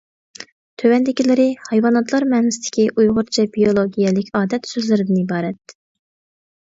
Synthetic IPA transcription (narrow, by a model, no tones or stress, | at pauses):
t̪ʰøwɛnd̪ɪkʲilɪɾɪhɑjwɑnɑt̪lˠɑɾmɛːnɪsd̪ʰɪ̥kʲiʔujʁʊɾt͡ʃʰɛbijolˠoɡʲijɛlɪkʲʰɑːd̪ɛt̪søzlɪɾɪd̪ɪnɪibɑːɾɛt̪̚